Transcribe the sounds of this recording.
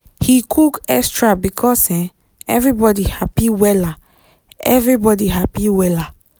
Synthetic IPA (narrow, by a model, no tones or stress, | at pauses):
hikʰukɛkstɹabikʰɔsɛ̃ | ɛ̰vɹibɔdihapiwɛla | ɛ̰vɾibɔdiɦapiwɛla